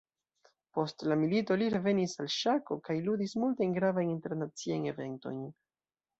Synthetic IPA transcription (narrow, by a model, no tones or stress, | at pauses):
po̞stlamilito̞liɾe̞ve̞nisalʃako̞kajludismultajnɡɾavajninte̞ɾnat͡siajne̞ve̞nto̞̰jn